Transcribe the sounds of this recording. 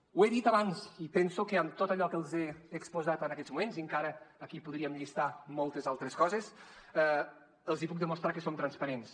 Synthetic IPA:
weðit̪aβanzipɛnsukəamt̪ot̪əʎɔkəlˠzeːkspuzat̪ənɐkɛzmumenziəŋkaɾəːkipuðɾiəmʎist̪amɔlˠt̪əzalˠt̪ɾeskɔzes | ɛ | əlˠzipuk̚d̪əmust̪ɾakəsomt̪ɾanspaɾens

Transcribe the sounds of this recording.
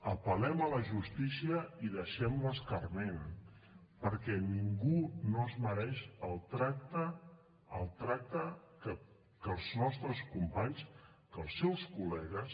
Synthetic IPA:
əpəlɛmələʒust̪isiəiðəʃɛmləskərmen | pəɾkɛniŋɡunoəzməɾɛʃəlˠt̪ɾak̚t̪ə | əlˠt̪ɾak̚t̪əkə | kəlˠznɔst̪ɾəskumpaɲs | kəlˠsːɛwskulɛɣəs

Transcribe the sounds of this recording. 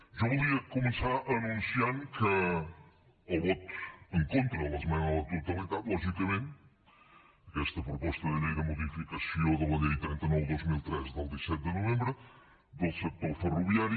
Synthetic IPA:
ʒavolˠiɐkumɨsaɾɐːnũnsjaɾkʰɐ | oβɔt̪u̥ẽŋkõnt̪ɾɐlˠɐzmɐnɐlˠɐt̪uɾt̪ɐmẽnt̪atlˠɔʒikɐmẽnt̪ | kɛʃt̪ɐpɾupɔʃt̪ɐðɨliɣɐmuðifikɐsioðulɐɲɐjt̪ɾĩnt̪ɐnɔwðojzmilˠt̪ɾɛzðɐlˠd̪isɛt̪̚d̪ɨnuvẽmbɾɨ | ðosɨk̚t̪oɾfɨruβiaɾj

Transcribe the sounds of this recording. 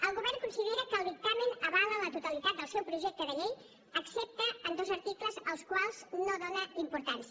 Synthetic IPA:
əlˠɣuβɛrŋkunsiðeɾəkəːlˠβik̚t̪aminəβalələt̪ut̪əlit̪at̪̚d̪əlˠsɛwpɾuʒɛk̚t̪əðəʎej | əksep̚t̪əənd̪ozəɾt̪ikləzəlˠskwalˠznoðonəimpuɾt̪ansə

